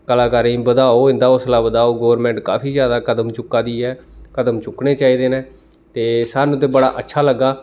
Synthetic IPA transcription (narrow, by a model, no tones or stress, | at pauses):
kəlaːkaɾĩːbəd̪aːoːɪ̃nd̪aːʊslaːbəd̪aːoːɡoːʋəɾmɛ̃ːɳʈka̰ːfiːzjaːd̪aːkəd̪əmt͡ʃʊkːaːd̪iːɛːkəd̪əmt͡ʃʊkneːt͡ʃaːiːd̪eːnẽː | t̪eːsaːnũt̪eːbəɽa̰ːʔətːʃʰaːləɡːaː